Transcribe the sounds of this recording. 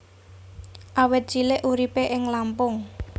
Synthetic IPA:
ʔawɪt̪̚d̥ʒ̥ilɪʔuɾipeʔɪŋlampʊŋ

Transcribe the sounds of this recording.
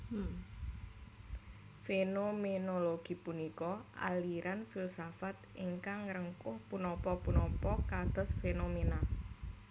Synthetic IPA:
fenomenoloɡ̥i̤punikɔʔa̰liɾanfilsafat̪̚ʔiŋkaŋɾəŋkʊhpunɔpɔpunɔpɔkad̪̥ɔ̤sfenomena

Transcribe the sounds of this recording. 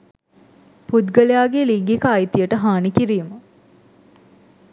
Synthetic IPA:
pud̪ɡəlejaːɡeliŋɡikəːjt̪ijəʈəɦaːnikiɾiːmə

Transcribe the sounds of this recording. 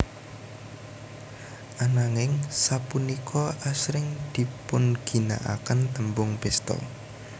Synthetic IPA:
ʔanaŋɪŋsapunikʰɔʔasɾɪŋd̪̥i̤pʊnɡ̥i̤na̰ʔa̰kənt̪əmbʊŋpɛst̪ɔ̰

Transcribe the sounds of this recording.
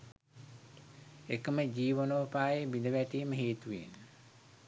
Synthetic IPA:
ekəməd͡ʒiːʋonoːpaːjebid̪əʋæʈiːməɦeːt̪uʋḛnə

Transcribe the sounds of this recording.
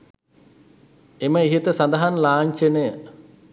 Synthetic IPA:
eməiɦit̪əsand̪ɐɦanlaːɲt͡ʃənejə

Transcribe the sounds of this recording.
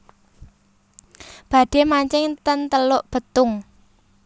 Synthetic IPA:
b̥ä̤d̥e̤maɲt͡ʃɪŋt̪ənt̪əlʊʔb̥ə̤t̪ʊŋ

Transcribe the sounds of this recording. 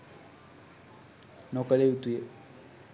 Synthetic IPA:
nokəleut̪uje

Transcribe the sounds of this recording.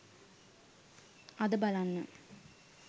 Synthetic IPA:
ɐd̪ɨbɐlɐnːɨ

